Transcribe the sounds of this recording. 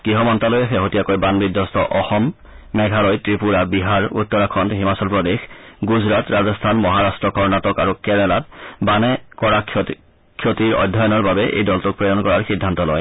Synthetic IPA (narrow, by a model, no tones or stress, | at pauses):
ɡ̥iɦɔmɔntalojaxɛɦotijakojbanbidʱːɔstɔʔɔxɔmː | ɛɡʱalɔjtɹipuɹabiɦaɹṵt̪ːɔɹakʰɔntɦimasɔlpɹɔdexɡuzɹatɹazɔst̪ʰanmɔɦaɹastɹɔkɔɹnatɔkaɹukɛnɛlatbanɛkɔɹakʰ | kʰːjotiɹɔ̰dʱːajɔnɔɹbabɛʔḛjdɔltʊk̚pɹɔdɔnkɔɹaɹxidʱːantɔlɔ̰j